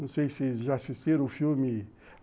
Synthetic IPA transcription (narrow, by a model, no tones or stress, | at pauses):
ɐ̃w̃sejsɪʒaasist̪iɾ̃ʊfilmɪ